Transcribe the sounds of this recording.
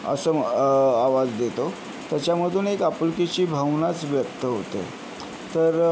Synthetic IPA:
ə̰səːaʋad͡zd̪et̪o | t̪jat͡ɕjaməd̪ʱuːnekapulkit͡ɕiːbʱəʋnat͡sʋjəkt̪əɦot̪ḛ | t̪əɾ

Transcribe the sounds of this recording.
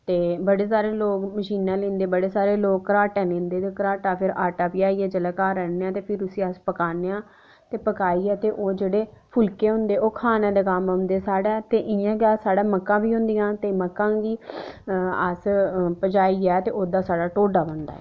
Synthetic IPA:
t̪eːbəɽeːsaːɾeːloːkməʃiːnãːlẽːnd̪eːbəɽeːsaːɾeːloːkkːəɾaːʈɛ̃ːlẽːnd̪eːt̪eːkəɾaːʈaːpʰɪɾaːʈaːpiːaːiːɛːd͡ʒəlaːkaːɾɛːneːãːt̪eːpʰɪɾʊsĩːəspəkaːneãː | t̪eːpəkaːiːɛːt̪eːʔoːd͡ʒeːɽeːpʰʊlkeːɦʊ̃nd̪eːoːkʰaːnãːd̪eːkamond̪eːsaːɽaːt̪eːʔɪjãːɡaːsaːɽaːməkːãːbiːɦʊ̃nd̪ɪjãːt̪eːməkːãːɡiː | ə̰spəd͡ʒaːiːɛːt̪ḛːʔoːd̪aːsaːɽaːʈoːɖaːbə̃nd̪a̰ːɛ̰ː

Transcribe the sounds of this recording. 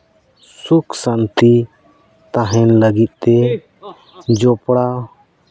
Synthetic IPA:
sukʰsant̪i | t̪ãɦɛnləɡit̪̚ˀt̪ɛ | d͡ʒɔpɽa

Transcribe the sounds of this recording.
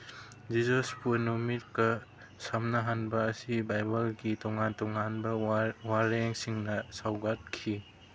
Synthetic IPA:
d͡ʒizospunumit̚kɐ | samnɐɦanbɐːsibajbɐlɡitɔŋantɔŋanbɐwaɾeŋsiŋnɐsawɡat̚kʰi

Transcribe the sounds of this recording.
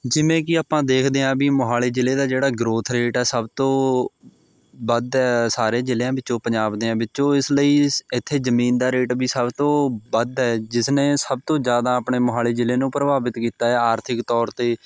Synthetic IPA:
d͡ʒɪʋẽːkɪaːpãːd̪eːkʰd̪eːãːbiːmʊɦaːleːd͡ʒɪleːd̪aːd͡ʒeːɽaːɡɾoːt̪ʰɾeːʈɛːsəbt̪õː | bəd̪ɛːsaːɾeːd͡ʒɪleãːbɪtːt͡ʃõːpəɲd͡ʒaːbd̪eːãːbɪt͡ʃːõːɪsləiːɪt̪ʰːeːzəmiːnd̪aːɾeːʈbiːsəbt̪õːbəd̪ɛːd͡ʒɪsneːsəb̚t̪õːd͡ʒjaːd̪aːəpɳeːmʊɦaːleːd͡ʒɪleːnũːpɾəbaːbɪt̪kiːt̪aːɛːaːɾt̪ʰɪkt̪ɔːɾt̪eː

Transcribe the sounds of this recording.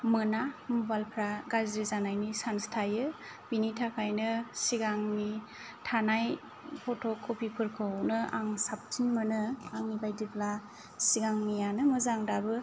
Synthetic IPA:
mɯnamubalpʰɾaɡazɾizanajnisanstʰajɯ | b̥initʰakʰajnɯsiɡaŋni | tʰanaj | pʰɔtʰɔkʰːopʰipʰɯɾkʰɯwnɯa̰ŋsap̚tʰinmɯnɯaŋibajdipʰla | siɡaŋnijanɯmɯzaŋdabɯ

